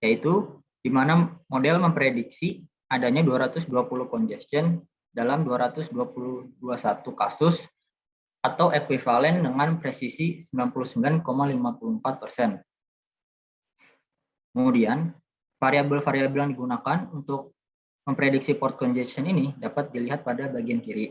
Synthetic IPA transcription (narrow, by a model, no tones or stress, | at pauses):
jait̪u | d̥imanamodɛlməmpɾedik̚si | adaɲaduaɾat̪ʊsduapulʊhkɔnd͡ʒɛst̪ɔn | dalamduaɾat̪ʊsduapuluhduasat̪ukasʊs | at̪awʔekwifalɛndəŋanpɾesisisəmbilanpuluhsəmbilankomalimapuluəmpat̪̚pərsɛn | kəmudian | faɾiabəlfaɾiabəljaŋdiɡunakanunt̪ʊk̚ | məmpɾedik̚sipɔrt̪̚kɔnd͡ʒɛst̪ɔninidapat̪̚diliɦat̪̚padabaɡiankiɾi